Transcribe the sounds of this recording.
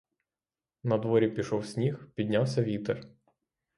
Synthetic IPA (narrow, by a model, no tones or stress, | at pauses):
nɐd̪ʋɔɾʲipʲiʃɔwsʲnʲixpʲid̪ʲnʲawsʲɐʋʲit̪ɛr